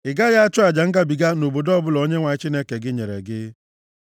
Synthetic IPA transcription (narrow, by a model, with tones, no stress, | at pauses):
ɪ˨ɡa˦ja˦a˦t͡ʃʊ˦a˨d͡ʒa˨ŋ̩˦ɡa˦bi˨ɡa˦no˨bo˨dɔ˦bʊ˦lɔ˦ɲe˦ŋʷa˨ɪ˦t͡ʃi˦ne˦ke˨ɡɪ˦ɲe˨ɾḛ˨ɡɪ˦